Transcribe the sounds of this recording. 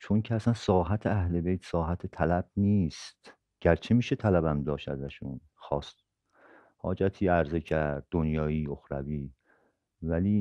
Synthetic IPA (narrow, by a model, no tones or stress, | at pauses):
t͡ʃʰo̞ŋcʰeæsænsɒːɦæt̪ʰeæhle̞bejt̪ʰsɒːɦæt̪ʰet̪ʰælæb̥̚niːst̪ | ɟ̥æɾt͡ʃʰemiːʃe̞t̪ʰælæbæmd̪ɒːʃt̪æ̰zæʃun | xɒːst̪ | hɒ̰ːd͡ʒæt̪ʰiːæɾze̞cʰæɾd̪̚ːonjɒːiːo̞xɾæviː | væliː